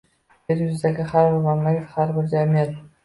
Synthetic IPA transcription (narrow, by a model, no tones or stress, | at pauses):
eɾjʊzɪd̪aɡʲɪhaɾbɪɾmamlaɡʲat̪haɾbɪɾd͡ʒamijat̪